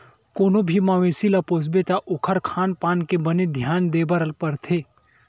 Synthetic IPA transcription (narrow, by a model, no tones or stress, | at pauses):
koːnobʱimaʋeːsilapoːsbet̪aʔʊkʰəɾkʰaːnpaːnkebɐned̪ʱjaːnd̪eːbəɾəlpɐɾt̪ʰeː